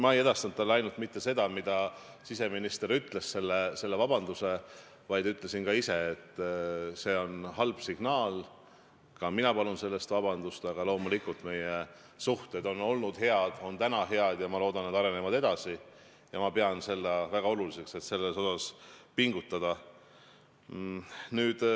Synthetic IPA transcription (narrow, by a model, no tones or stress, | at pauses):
mɑeje̞d̪ɑst̪ɑnt̪ːɑlːeɑjnult̪mit̪ːe̞se̞d̪ɑmid̪̥ɑ | sise̞minist̪e̞ɾyt̪ˑle̞sse̞lːese̞lːe̞vɑbɑnd̪̥use̞ | vɑjd̪yt̪ːˑle̞sinkɑise̞ːt̪ːˑse̞o̞nɦɑlb̥siɡ̥nɑːl | kɑminɑpɑlunse̞lːe̞st̪vɑb̥ɑnd̪ust̪ɑɡ̥ɑlo̞ːmulikult̪me̞je | suht̪e̞d̪o̞nːo̞lnud̪̥he̞ɑd̪̥o̞nt̪ænɑɦe̞ɑd̪̥jɑmɑlo̞ːd̪ɑned̪ɑɾe̞nemɑd̪e̞d̪̥ɑsi | jɑmɑpe̞ɑnse̞lːɑvæɡ̥ɑo̞lulise̞kse̞t̪se̞lːeso̞sɑspiŋɡ̥ut̪ːˑɑd̪̥ɑ | nyːd̪̥